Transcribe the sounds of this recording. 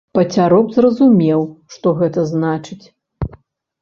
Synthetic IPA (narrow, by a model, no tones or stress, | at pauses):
pɐt͡sʲaɾɔbzrɐzumʲɛwʂt̪ɔɣɛt̪ɐznat͡ʂɨt͡sʲ